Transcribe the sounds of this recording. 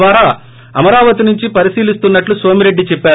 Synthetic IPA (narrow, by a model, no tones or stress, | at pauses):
ʋaːɾaː | ɐmɐɾaːʋɐt̪inuɲt͡ʃipɐɾisiːlist̪unːɐʈlusʋoːmiɾe̞ɖːit͡ʃɛpːaː